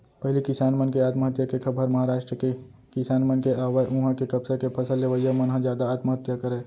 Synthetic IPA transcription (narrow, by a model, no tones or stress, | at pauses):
pɐɦlikɪsaːnmənkeaːt̪məɦət̪jakekʰɐbʱəɾmɐɦaɾaːʃʈɾəke | kɪsaːnmənkeaːʋaʔʊ̃ɦãkekɐbsekepʰɐsəlːeʋəjamɐnɦãd͡ʒjaːd̪aːt̪məɦət̪jakɐɾeː